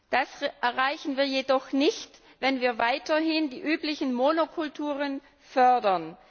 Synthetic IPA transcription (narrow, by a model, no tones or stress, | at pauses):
d̥asʔɛɐʁaɪçn̩viːɐjedɔχnɪçt | vɛnviːɐvaɪtɐɦɪndiːʔyːplɪçn̩monokʰʊltʰuːʁən | fœɐdɐn